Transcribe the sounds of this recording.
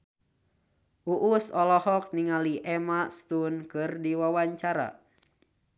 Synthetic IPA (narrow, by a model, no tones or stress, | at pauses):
ʔuʔusɔlɔhɔk̚niŋaliʔɛmast̪unkɨrdiwawaɲt͡ʃaɾa̰